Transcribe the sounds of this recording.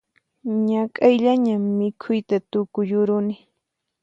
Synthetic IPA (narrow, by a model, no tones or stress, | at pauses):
ɲakʼajʎaɲamːɪkʰʊjt̪at̪ʊkʊjʊɾʊnɪ